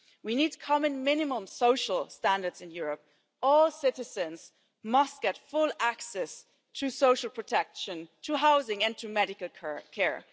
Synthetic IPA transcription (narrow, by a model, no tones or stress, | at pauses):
winid̚kʰɑmɨ̃nmɪ̃nɨmə̃msoʊʃəl̩ˠstæ̃ndə˞dzɨ̃njʊɹəp̚ | ɔlˠsɪɾɨzɨ̃nz̥ | mʌst̚ɡ̥ɛtfʊlˠæksɛs | tʰɨsoʊʃl̩ˠpʰɹ̥ɨtʰɛkʃɨ̃ntʰɨɦaʊzɪ̃ŋɨ̃ntʰɨmɛɾɨkl̩ˠkʰɛɹ